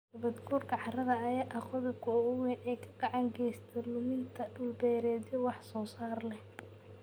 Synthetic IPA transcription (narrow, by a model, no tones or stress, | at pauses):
ɡɐβɐd̪ɡuːrkʰɐħɑɾɐðɐːjɛʔɐχʊðɛbkʰʊɔʊwɛnɛːkʰɐ̥ɡɑʕɑŋɡɛːst̪ʰɛlʊmɪnt̪ʰɐɖʊlbɛːɾɛːd̪ɛwɑħsɔːsaːrlɛh